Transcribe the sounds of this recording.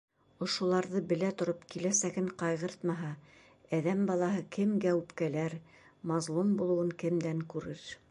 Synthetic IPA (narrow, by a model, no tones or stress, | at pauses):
ŏʃŏlˠɑɾðɤbɘ̆læt̪ŏɾopkilæsæɡɘɴqɑjʁɤɾt̪mɑɦɑ | æðæmbɑlˠɑɦɤkʰɘmɡæwpkælæɾ | mɑzlˠumbulˠɤ̆wɤŋkɘ̆md̪æŋkʉɾɘɾ